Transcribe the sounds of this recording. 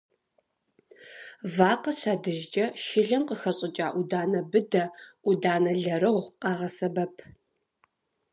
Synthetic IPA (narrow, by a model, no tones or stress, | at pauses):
vaːqɐɕaːdɨʒd͡ʒʼɐʃɪɮɐnqəxɐɕʼɪt͡ʃʼaːʔudaːnɐbɨdɐʔudaːnɐɮɐɾɨʁʷqɑːʁɐsɐbɐpʰ